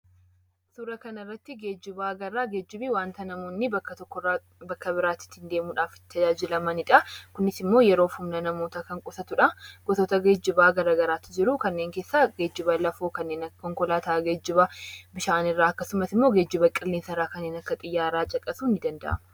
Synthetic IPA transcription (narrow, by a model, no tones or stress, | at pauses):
suɾɐkɐnɐɪrːɐt̪ːɪɡe̞ːd͡ʒːɪbaːɡɐrːaːɡeːd͡ʒːɪbiwaːnt̪ɐnɐmoːnːɪbɐkːɐt̪ɔkːɔ | bɐkːɐbɪɾaːt̪ːɪ̥t̪ːɪnd̪e̞ːmuːᶑaːft̪ːɐd͡ʒaːd͡ʒɪlɐmɐnɪᶑɐkʊnːɪsɪmːoːjɛɾo̞ːfʊmnɐnɐmo̞ːt̪aːkɐŋkʼʊsɐt̪ʊᶑɐɡ̥ɔt̪oːt̪ɐɡeːd͡ʒːɪbaːɡɐɾaːɡɐɾaːt̪ːɪd͡ʒɪɾʊkɐnːe̞ːŋkeːsːaɡeːd͡ʒːɪbɐlɐfoːkɐnːeːnɐkɔŋkɔlaːt̪aːɡeːd͡ʒːɪbɐbɪʃaːnɪrːaːɐkːɐsʊmɐsɪmːo̞ːɡe̞ːd͡ʒːɪbɐkʼɪlːeːnsɐɪraːkɐnːeːnɐkːɐt̪ʼɪjːaːɾaːt͡ʃʼɐkʼɐsuːnɪd̪ɐnd̪ɐ̰ʔɐ̰mɐ